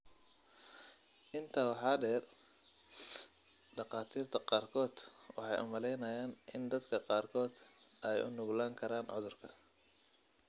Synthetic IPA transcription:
ʔɪnt̪ʰɐwɑħɑːɖɛːr | ɖɑqɑːt̪ʰiːrt̪ʰɐqɑːrkʰɔːd̪wɑ̰ħɑjʔʊ̰mɐlɛjnɐjaːnʔɪnd̪ɐd̪kʰɐqɑːrkʰɔːd̪ɛjʊ̰nʊɣlaːŋkʰɐɾaːnʕʊðʊrkʰɐ̰

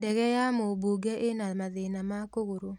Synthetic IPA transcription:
dɛɣɛjamobuɡɛʔenamaðenamakoɣoɾo

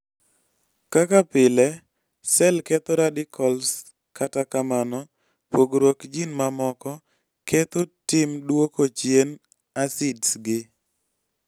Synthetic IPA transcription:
kakapɪlɛ | sɛlkɛt̪ɔɾadɪkʰɔls | katakamanɔ | poɡɾwokd͡ʒinmamɔkɔ | kɛt̪otɪmdwokot͡ʃjen | asɪdsɡɪ

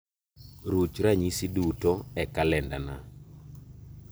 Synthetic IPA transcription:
ɾut͡ʃɾaɲisidutɔɛkalɛndana̰

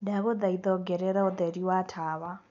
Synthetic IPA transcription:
daɣɔd̪aid̪ɔɡɛɾɛɾaɔd̪ɛɾiwatʰaːβa

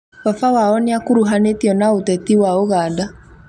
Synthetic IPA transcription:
wafawaɔneakuɾuɦanetiɔnaotɛtiwaoɣaːda

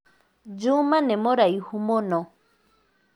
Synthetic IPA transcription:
d͡ʒumãnẽmoɾaihumõnõ

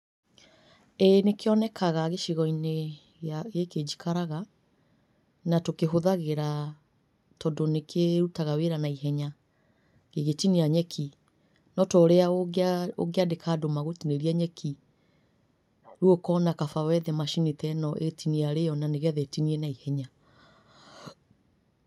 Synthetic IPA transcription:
enekeɔnɛkʰaɣaɣeʃiɣɔine | ɣaɣeked͡ʒi̥kʰaɾaɣa | natokeɦoðaɣeɾa | tɔdonekʰeɾutaɣaweɾanaiɦɛɲa | ɣeɣetiniaɲɛkʰi | nɔtɔɾeaoo̰ɣeadekʰadomaɣotineɾiaɲɛkʰi | ɾuokɔnakafawɛðɛmaʃinitɛnɔʔetiniaɾejɔnaneɣɛðɛtiniɛnaihɛɲa

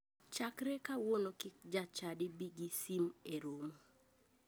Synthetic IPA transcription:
t͡ʃakɾekawonokɪk̚d͡ʒat͡ʃadɪbiɡisimeɾom

